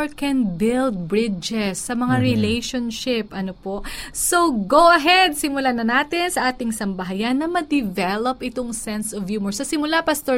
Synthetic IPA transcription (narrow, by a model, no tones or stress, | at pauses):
ɹkɛnbɪld̪̚bɹɪd͡ʒɛsːɐmɐŋaɾɪlejʃonʃɪpʔɐnopoʔsoɡowʔɐɦɛd̪̚sɪmʊlanɐnaːt̪ɪnsɐʔaːt̪ɪŋsɐmbɐɦajanːɐmɐd̪ɪvɛlopʔɪt̪oŋsɛnsɔvjuːmɔɹsɐsɪmʊlapɐst̪o